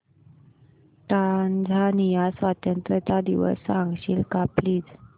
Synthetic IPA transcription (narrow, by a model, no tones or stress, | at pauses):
ʈand͡zʱanijasʋat̪jənt̪ɾət̪ad̪iʋə̰sːãŋɡɕḭːlkapliːd͡z